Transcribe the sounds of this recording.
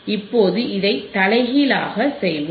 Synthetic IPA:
ɪpːoːðɯʔɪðɐɪt̪ɐlɐɪɣɪlaːɣɐsɛjʋ

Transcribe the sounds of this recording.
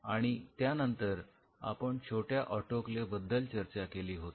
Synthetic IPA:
aɽ̃it̪janənt̪əɾ | a̰pəɳt͡ɕʰoʈjaʔɔʈoklebəd̪ːəlt͡ɕəɾt͡ɕakeliːɦot̪

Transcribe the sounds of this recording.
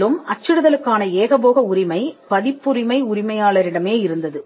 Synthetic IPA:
lɯmɐt͡ʃːɪɽɯðɐlɯkːaːnɐeːɣɐboːɣɐʊɾɪmɐɪpɐðɪpːʊɾɪmɐɪʊɾɪmɐjaːɭɐɾɪɽɐmeːɪɾɯnd̪ɐðɯ

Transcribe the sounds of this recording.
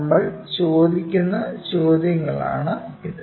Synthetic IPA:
mːɐɭt͡ɕoːd̪ikʲːunːɐt͡ɕoːd̪ʱjɐŋːɐɭa̰ːɳɨiðɨ

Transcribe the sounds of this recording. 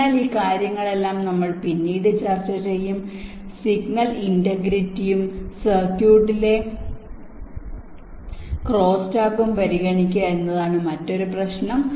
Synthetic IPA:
aːliːkaːɾjɐŋːɐɭe̞lːaːmnɐmːɐɭpinːiːɽɨt͡ɕaːrt͡ɕːɐt͡ɕejːum | siɡnɐlindeɡɾitːijumsɐrkjuːʈːile̞ | kro̞ːstaːkːumpɐɾiɣɐɳikʲːuɐenːɐðaːɳɨmɐtːo̞ɾuprɐɕnɐm

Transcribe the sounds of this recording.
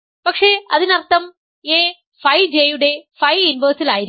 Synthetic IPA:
pɐkʂe̞ɐðinɐrt̪ɐm | eː | fɐjd͡ʑeːjuɽe̞fɐjinbɐːsilaːjiɾ

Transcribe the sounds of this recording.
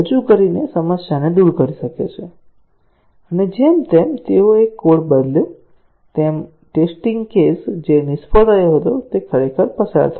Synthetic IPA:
əd͡ʒukəɾinesəməsjaned̪uɾkəɾiʃəket͡ʃʰe | əned͡ʒɛmt̪emt̪eoekːoɽbəd̪ljo | t̪em | ʈesʈɪ̃ŋɡkesd͡ʒenɪspəɾd̪əjoɦət̪ot̪ekʰəɾekʰəɾpəsa̰ɭt̪ʰa

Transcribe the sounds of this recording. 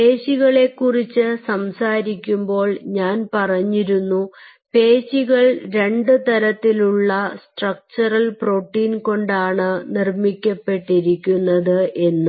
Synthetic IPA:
pe̞ːɕiɣɐɭe̞kːurit͡ɕːɨsɐmsaːɾikʲːumbo̞ːɭɲaːnpɐrɐɲːiɾunːu | pe̞ːɕiɣɐɭɾe̞ɳɖɨt̪ɐɾɐt̪ːiluɭːɐsʈrɐk̚t͡ɕɐrɐlpro̞ːʈːiːnko̞ɳɖaːɳɨnirmikʲːɐpːe̞ʈːiɾikʲːunːɐðɨʔe̞nːu

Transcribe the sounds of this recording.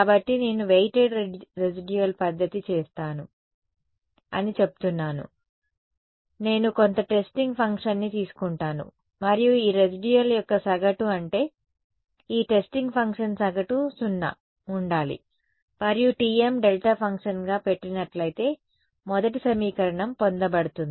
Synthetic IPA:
kaːbɐʈːine̞ːnuʋejʈeɖɾesiɖjuɐlpɐd̪ʱːɐt̪it͡ʃeːst̪aːnu | ɐ̰nit͡ʃe̞pu̥t̪unːaːnṵ | ne̞ːnukont̪ɐʈe̞sʈiŋɡpʰɐŋkʂɐnːit̪iːsu̥kuɳʈaːnṵ | mɐɾijuiːɾesiɖjɐljɔkːɐsɐɡɐʈuɐɳʈe̞ː | iːʈe̞sʈiŋɡpʰɐŋkʂɐnsɐɡɐʈusunːɐ̰ | uɳɖaːlḭ | mɐɾijuʈiːemɖelʈaːpʰɐŋkʂɐnɡaːpe̞ʈːinɐʈlɐjt̪e̞ː | mɔd̪ɐʈisɐmiːkɐɾɐɳɐmpond̪ɐbɐɽut̪und̪i

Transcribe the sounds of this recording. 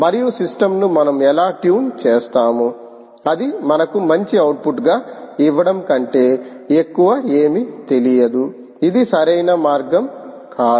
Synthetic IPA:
mɐɾijusisʈɐmnumɐnɐmɛlaːʈjuːnt͡ʃeːst̪aːmu | ɐd̪imɐnɐkumɐɲt͡ʃiɐwʈ̚puʈɡaːiʋːɐɽɐmkɐɳʈe̞ː | ekːuʋɐeːmit̪e̞lijɐd̪u | id̪isɐɾɐjnɐmaːɾɡɐm | kʰaː

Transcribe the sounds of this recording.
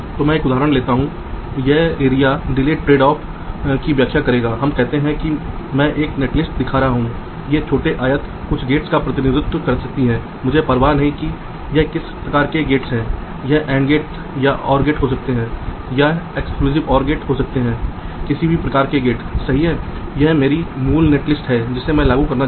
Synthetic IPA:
t̪omɛ̃ːeːkʊd̪ʱaːɾəɽ̃leːt̪aɦũ | jeeːɾijaɖɪleːʈ̚pɾeːɖɔːpʰ | kiʋjakʰjakɐɾeːɡaːɦɐmkɛɦt̪eɦɛ̃ki | mɛ̃ʔeːkneːʈlɪsʈ̚d̪ɪkʰaːɾaɦũ | jet͡ʃʰoːʈeʔaːjət̪kʊt͡ʃʰɡeːʈskapɾɐt̪ɪnɪd̪ɪt̪ːəkɐɾsɐk̚t̪iɦɛ̃ː | mʊd͡ʒʱepɐɾʋaːnɐɦĩki | jeɦkɪspɾɐkaːɾkeɡeːʈsɦɛ̃ː | jɐɦʔɛ̃ːɳɖɡeːʈ | jaʔɔːɾɡeːʈɦos̬ɐk̚t̪eɦɛ̃ː | jaekskluːzɪʋɔːɾɡeːʈɦosɐk̚t̪eɦɛ̃ː | kɪsibʱipɾɐkaːɾkeɡeːʈssɐɦiɦɛːjɐɦmeːɾimuːlneːʈlɪsʈɦɛːd͡ʒɪsːemɛ̃laːɡũkɐɾna

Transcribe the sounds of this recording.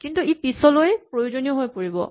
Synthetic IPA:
kintuipisɔlojpɹojuzonijɔɦojpoɹibɔ̰

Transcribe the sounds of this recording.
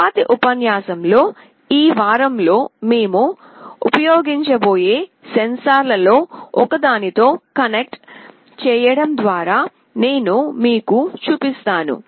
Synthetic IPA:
aːt̪iʔupɐnjaːsɐmlo̞ː | iːʋaːɾɐmlo̞ːme̞ːmu | upɐjoːɡiɲt͡ʃɐbo̞ːjeː | sensaːɾlɐlo̞ːɔkɐd̪aːnit̪o̞ːkɐnek̚ʈ | t͡ʃɛːjɐɽɐmd̪ʋaːɾaː | ne̞ːnumiːkut͡ʃuːpist̪aːnṵ

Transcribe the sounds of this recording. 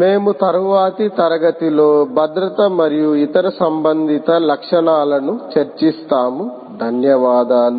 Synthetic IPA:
meːmut̪ɐɾuʋaːt̪it̪ɐɾɐɡɐt̪iloːbʱɐd̪ɾɐt̪ɐmɐɾijuit̪ɐɾɐsɐmbɐnd̪ʱit̪ɐlɐkʂɐɳaːlɐnut͡ʃɐɾt͡ʃist̪aːmu | d̪ʱɐnjɐʋaːd̪aːlu

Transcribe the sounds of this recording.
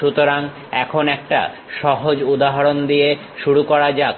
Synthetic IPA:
ʃut̪oɾaŋ | ɛkʰonɛk̚ʈa̰ | ʃɔɦod͡ʑud̪aɦaɾond̪ije | ʃuɽukɔɾad͡ʑa

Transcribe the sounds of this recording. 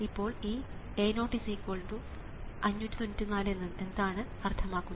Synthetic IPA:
ipːo̞ːɭiː | e̞ːno̞ːʈːisikoɭɖu | ɐɲːutʲːit̪onːtːinaːlenːume̞nd̪aːɳɨɐrt̪ʰɐmaːkːunːɐ

